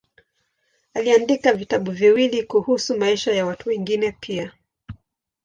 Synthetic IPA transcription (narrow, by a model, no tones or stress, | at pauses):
aliandikavitaɓuviwilikuhusumaiʃajawatuwɛŋɡinɛpʰia